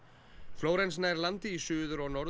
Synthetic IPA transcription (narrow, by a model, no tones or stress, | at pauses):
floːwɾensnajɾlant̪ɪisʏːðʏɾɔɣnɔɾ